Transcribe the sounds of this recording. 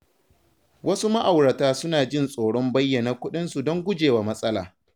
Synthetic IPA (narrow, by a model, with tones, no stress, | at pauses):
wʔɐ˦su˦ma˦ʔa˨wɽɐ˨taː˦sʊ˦naː˨d͡ʒɪ˦nsʼoː˨ɽɔ˦mbɐ˦jːɐ˨naː˨kʷʊ˦ɗɪ˦nsu˨dɔ˦ŋɡʷʊ˦d͡ʒeː˨waː˨mɐ˦sʼɐ˦la̰ː˨